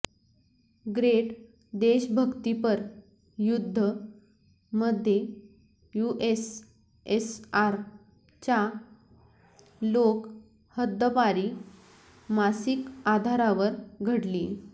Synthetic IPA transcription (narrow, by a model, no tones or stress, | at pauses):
ɡɾeʈ | d̪eɕbʱəɡt̪ipəɾ | jud̪ʱːə | məd̪ʱːje | juʔes | esaɾ | t͡ɕa | lok | həd̪ʱːəpaɾi | masikad̪ʱaɾaʋəɾɡʱəɽli